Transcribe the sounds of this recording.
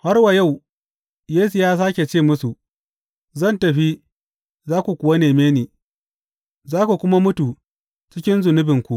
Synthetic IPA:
ha˦rwa˨ja˦˨w | jeː˦s̬u˨jaː˦s̬aː˦kʲe˨t͡ʃeː˦˨mʊ˦su˨ | zɐ˦˨ntɐ˨ɸi˦ | zaː˦kʷu˨kʷʊ˨wa˦neː˨meː˦niː˨ | zaː˦ku˨kʷʊ˦ma˦mʊ˦tu˨ | t͡ʃɪ˦kʲɪ˦nzʊ˨nʊ˦bɪ˨ŋkʷu˨ʔ

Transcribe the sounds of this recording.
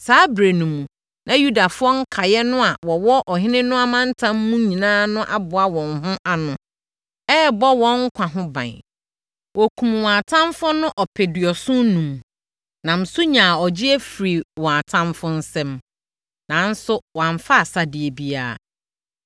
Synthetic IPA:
saː˨˦bɾe˨nũ˨mũ˨ | nʔã˨ju˦da˨fʊ˦ɔ˦ŋ̩˦kʰa˨jɛ˦nʊ̃˦a˨wɔ˨wɔ˦ʔɔ˨ɦɪ̃˦nɪ̃˦nʊ̃˦a˦mã˦n˦tʰã˦mː˦ũ˦ɲĩ˨nãː˦nʊ̃˦ʔa˦bʊ˨a˦wɔ̃˨nɦʊ̃˦ʔa˦nʊ̃˨ | ɛː˦bɔ˦wɔ̃˦ŋ̩˦kʷʰã˨ɦʊ̃˦bã̰˨n | wɔ˨kʷʰũ˨mwɔ̃˨a˨tʰã˦mfʊ˦nʊ̃˦ʔɔ˨pʰɪ˨dɪ˨ɔ˨sʊ̃˦nũ˨m | nã˨m̩˨su˦ɲã˨ɔ˨d͡ʑɪ˦ɛ˦fɾi˨wɔ̃˨a˨tʰã˦mfʊ̃˦n̩˦sɛ̃˦m | nã˨˦n̩˦sʊ˦wã˨ɱ˦fa˦a˨sa˨dɪ˨e˨bi˦a̰ː˦˨

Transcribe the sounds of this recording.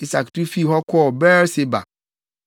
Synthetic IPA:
i˦sa˨ktu˦fi˦˨ɦɔ˦kʷʰɔ˦˨bɛː˦ɾsɪ˦ba̰˨

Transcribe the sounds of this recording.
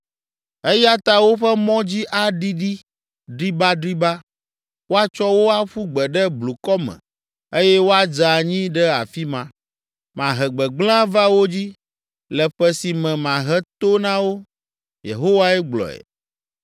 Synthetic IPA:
e˦ja˦t̪a˦wo˦ɸɛ˦mɔ̃˦d͡ʑi˦ʔa˦ɖi˦ɖi˦ | ɖɾi˦ba˦ɖɾi˦ba˦ | wo˦a˦t͡ʃɔ˦wo˦a˦ɸu˦ɡ͡bɛ˨ɖɛ˦blu˨kɔ˦mɛ̰̃˨ | e˦jɛ˦wo˦a˦d͡ʒa˨ɲĩ˦ɖɛ˦a̰˨fi˦mã˨ | mã˨ɦɛ˨ɡ͡bɛ˨ɡ͡bl̃ã˦va˦wo˦d͡ʑi˦ | lɛ˨ɸɛ˦si˨mɛ̃˨mã˨ɦɛ˦t̪o˦nã˦wo˦ | jḛ˨ɦo˦wa˦ɛ˦ɡ͡blɔ̰˨ɛ̰˨

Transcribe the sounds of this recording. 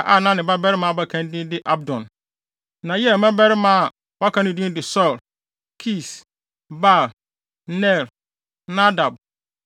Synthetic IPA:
ʔa˨nã˦nɪ̃˨ba˦bɛ˦ɾɪ˦mã˨ba˦kʰã˦n˦dĩ˦n˦dɪ˦ʔa˦b̚dɔ̃˨n | nã˨jɛ˦˨mɛ̃˦bɛ˦ɾɪ˦mã˦˨ | wa˦kʰã˦nɪ̃˦dĩ˦dɪ˨sɔ˦˨l | kʰi˦˨s | ba˦˨l | nɛ˦˨l | na˦da˨b̚

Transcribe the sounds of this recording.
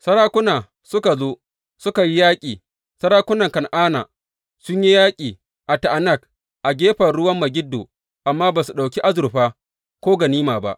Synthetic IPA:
sɐ˦ɾaː˦kʷʊ˦naː˨ | sʊ˦ka˨zoː˦ | sʊ˦ka˨ji˦jaː˦kʲʼiː˨ | sɐ˦ɽaː˦kʷʊ˦nɐ˨ŋkɐ˨nʔaː˦na̰ː˨ | sʊ˦ɲji˦jaː˦kʲʼiː˨ | ʔa˨ta˨ʔa˨nɐ˦˨k̚ | ʔa˨ɡʲeː˦ɸɐ˨ɽʊ˦wɐ˦mːɐ˨ɡʲɪ˦dːo̰ː˨ | ʔa˨mːaː˦baː˨su˨ɗa˨wkʲi˦ʔa˦zʊ˨ɾɸaː˦ | kʷoː˦ɡa˨niː˦maː˨ba̰˦ʔ

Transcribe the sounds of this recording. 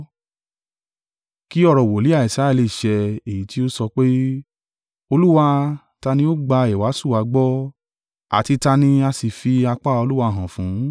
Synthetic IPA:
ki˦ɔ˦ɾɔ˨wo˨li˨˦a˦˨i˨sɾa˨˦ɛ˧li˧˨ʃɛ˧e˨ji˨˦ti˦o˦sɔ˧k͡pe˦ | o˧lu˦wa˧ | ta˧nĩ˦o˦ɡ͡ba˧e˨wa˨˦su˦˨wa˧˦ɡ͡bɔ˦ | a̰˨ti˧ta˧nĩ˧a˧si˨fi˧a˧k͡pa˦o˧lu˦wa˧˨ɦã˨fũ˨˦

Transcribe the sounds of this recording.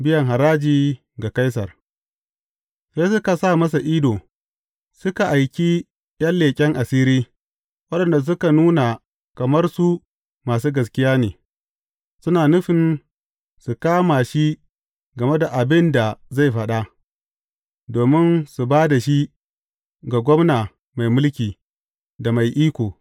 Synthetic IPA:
bɪ˦jɐ˨ŋɦa˨ɾaː˦d͡ʒiː˦ | ɡa˨ka˦js̬ɐ˨r | seː˦sʊ˦ka˨saː˦˨mɐ˦sa˨ʔi˦doː˨ | sʊ˦ka˨ʔa˨jkʲi˦ | jɐ˦nleː˨kʲʼɛ˦ŋʔa˨siː˦ɾiː˦ | wɐ˦ɗɐ˨nda˨s̬ʊ˦ka˨nuː˦na˨ | kɐ˨mɐ˦rsu˦ | maː˨s̬uː˦ɡɐ˨s̬kʲɪ˦jaː˦nḛː˨ | sʊ˦naː˨nʊ˦ɸɪ˨n | su˨kaː˦ma˨ʃi˦ | ɡɐ˨me˦da˨ʔa˨bɪ˦nda˨za˦˨jɸɐ˦ɗa˦ | doː˨mɪ˦nsu˨baː˦da˨ʃi˦ | ɡa˨ɡʷɔ˦mnaː˨ | ma˨jmʊ˦lkʲiː˨ | da˨ma˨jʔiː˦kʷoː˨

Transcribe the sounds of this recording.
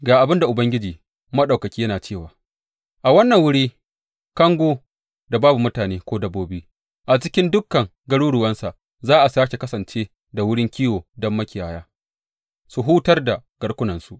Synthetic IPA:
ɡaː˨ʔa˨bɪ˦nda˨ʔʊ˨bɐ˦ŋɡʲɪ˦d͡ʒiː˨ | mɐ˦ɗa˨wkɐ˨kʲiː˦jɐ˦naː˨t͡ʃeː˦˨waː˨ | ʔa˨wɐ˦nːɐ˨ŋwʊ˦ɽiː˦ | kɐ˦ŋɡʷoː˦ | da˨baː˦bu˨mʊ˦taː˨neː˦kʷoː˦dɐ˦bːoː˦buː˦ | ʔa˨t͡ʃɪ˦kʲɪ˦ndʊ˦kːɐ˨ŋ | ɡɐ˦ɽuː˦ɽʊ˨wɐ˦nsa˨ʔ | zaː˦ʔa˨su˨aː˦ʃe˨kɐ˦sɐ˨nt͡ʃeː˦ | da˨wʊ˦ɽɪ˦ŋkʲiː˦woː˨dɔ˦mːɐ˦kʲɪ˨jaː˨jaː˦ | su˨ɦuː˦tɐ˦rda˨ɡ̥ɐ˦ɽkʷʊ˦nɐ˨nsu˨ʔ

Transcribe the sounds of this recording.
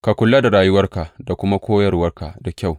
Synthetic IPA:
ka˨kʷʊ˨lːa˦da˨ɾaː˦jʊ˦wɐ˦rka˨da˨kʷʊ˦ma˦kʷoː˦jɐ˦rwɐ˦rka˨da˨kʲa˦˨w

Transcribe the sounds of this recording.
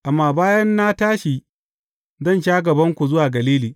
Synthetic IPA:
ʔa˨mːaː˨baː˦jɐ˦nːa˦taː˦ʃiː˨ | zɐ˦˨nʃaː˦ɡɐ˨bɐ˦ŋkʷu˨zʊ˦waː˨ɡɐ˨liː˦liː˨

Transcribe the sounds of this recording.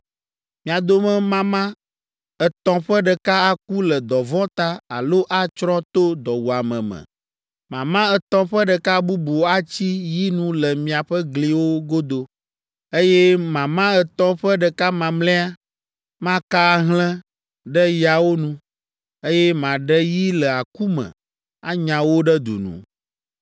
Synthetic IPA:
mĩ˨a˨d̪o˦mɛ̃˦mã˦mã˦ | ɛ˨t̪ɔ̃˦ɸɛ˦ɖɛ˨ka˦a˨k̚u˦lɛ˨d̪ɔ˨vɔ̃˦t̪a˦a̰˨lo˦ʔa˦t͡ʃɾɔ̃˦t̪o˦d̪ɔ˨wu˨a˨mɛ̰̃˨mɛ̰̃˨ | mã̰˨mã˦ɛ˨t̪ɔ̃˦ɸɛ˦ɖɛ˨ka˦bu˦bu˨a˦t͡ɕi˦ji˦nũ˦lɛ˨mĩ˨a˨ɸɛ˦ɡli˨wo˦ɡo˦d̪o˨ | e˦jɛ˦mã˨mã˦ɛ˨t̪ɔ̃˦ɸə˦ɖɛ˨ka˦mã˨mlɛ̃˦a˦ | mã˦ka˦ɦlɛ̃˦ | ɖɛ˦ja˨wo˦nũ˦ | e˦jɛ˦mã˨ɖɛ˦ji˦lɛ˨a˨ku˦mɛ̰̃˨ | a˦ɲã˨wo˦ɖɛ˦d̪ṵ˨nṵ̃˨

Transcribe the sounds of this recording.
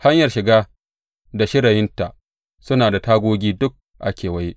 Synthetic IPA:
ha˦ɲjɐ˨rʃɪ˨ɡaː˦ | da˨ʃɪ˦ɽɐ˨jɪ˦nta˨ʔ | sʊ˦naː˨da˨taː˦ɡʷoː˦ɡʲiː˦dʊ˦k̚ | ʔa˦kʲeː˨wɐ˦ji˦ʔ

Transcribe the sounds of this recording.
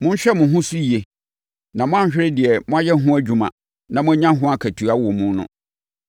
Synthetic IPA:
mʊ̃˦ɲ̩˦ɕᶣɛ˦mʊ̃˨ɦʊ̃˦su˦i˨e˨ | nã˨mʊ̃˦ã˦ɲ̩˦ɕᶣɪ˦ɾɪ˦dɪ˨ɛ˨mʊ̃˦a˦jɛ˦ɦʊ̃˦æ˦d͡ʑᶣu˨mã̰˨ | nã˨mʊ̃˦ɲã˦ɦʊ̃˦a˦kʰæ˨tʰu˨a˦wɔ˨mũ˦nʊ̰̃˦

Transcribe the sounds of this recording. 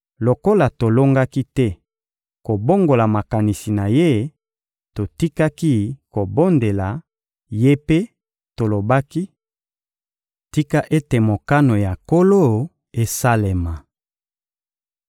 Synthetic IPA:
lo˨ko˦la˨to˨lo˦ŋɡa˦ki˦tɛ˦ | ko˨bo˦ŋɡo˨la˨ma˨ka˨ni˨si˨na˨je˦ | to˨ti˦ka˦ki˦ko˨bo˦nde˨la˨ | je˦pe˦ | to˨lo˨ba˦ki˦ | ti˦ka˦ʔe˦te˨mo˨ka˦no˨ja˨ko˦lo˦˨ | e˨sa˦le˨ma˨

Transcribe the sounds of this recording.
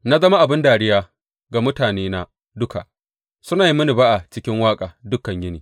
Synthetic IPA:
na˦zɐ˦ma˦ʔa˨bɪ˦ndaː˨ɽɪ˦jaː˦ | ɡa˨mʊ˦taː˨neː˦na˦ | dʊ˦ka̰˨ʔ | sʊ˦naː˨ji˦mɐ˦ni˨ba˦ʔa˨t͡ʃɪ˦kʲɪ˦ŋwaː˦kʼaː˨dʊ˦kːɐ˨ɲjɪ˦niː˨

